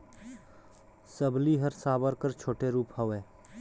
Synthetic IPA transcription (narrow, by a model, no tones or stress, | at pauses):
səbliɦəɾsaːbəɾkəɾt͡ʃʰoːʈeɾuːphəʋeː